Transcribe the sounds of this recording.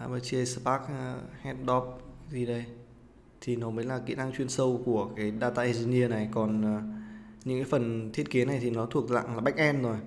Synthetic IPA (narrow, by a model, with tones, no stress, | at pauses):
ʔa˧ɓəː˧t͡ɕi˧ə˧sə˧paː˦˥k̚hɛ˦˥t̚ɗɔ˦˥p̚zi˧ɗə˧j | t̪ʰi˨˩nɔ˨˦məː˨˦jlaː˨˩kḭ˧˥əna˧ŋt͡ɕwi˧ənsə˧wku˧˩əkaː˨˦jɗaː˧t̪a̰ː˧˨ʔi˧zi˧ni˧əna˨˩jkɔ˨˩nː˨˩ɲɨ̰˧˥kaː˨˦fə˨˩nt̪ʰi˦˥ət̚ki˨˦əna˨˩jt̪ʰi˨˩nɔ˨˦t̪ʰu˨˩ək̚la̰ː˧˨ŋlaː˨˩ɓa˦˥jk̟̚ʔɛ˧mzo˨˩j